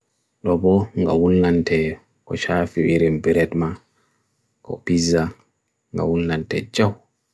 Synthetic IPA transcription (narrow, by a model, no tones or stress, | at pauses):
ɗɔbɔŋɡawunːantʰɛ | kɔt͡ʃafiɓiɾimbiɾɛtma | kɔ̰piza | ŋɡa̰wunːantɛd͡ʒaw